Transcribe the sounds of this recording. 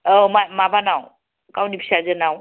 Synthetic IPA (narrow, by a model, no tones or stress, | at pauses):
ɔmamabanaw | kawnipʰi̥sazənaw